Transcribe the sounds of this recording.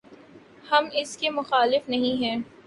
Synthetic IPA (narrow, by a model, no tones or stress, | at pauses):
hɐmɪskemʊxaːlɪfnɐɦĩɦɛ̃ː